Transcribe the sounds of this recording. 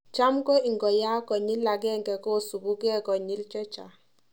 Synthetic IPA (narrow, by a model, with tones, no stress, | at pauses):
t͡ʃa˦mkɔ˦i˨ŋɡɔ˨ja˦kɔ˨ɲi˦lːa˨ɡɛ˦ŋɡɛ˨kɔ˦˨su˨ɡu˦ɡɛ˦kɔ˨ɲi˦lt͡ʃɔ˦t͡ʃa̰˨